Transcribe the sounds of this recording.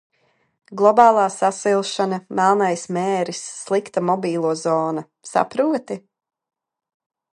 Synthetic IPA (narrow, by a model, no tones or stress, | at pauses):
ɡlˠɔbaːlˠaːsasilˠʃanamɛlˠnajsmɛːɾisːlˠikt̪amɔbiːlˠuɔzɔːna | sa̰pɾuɔt̪i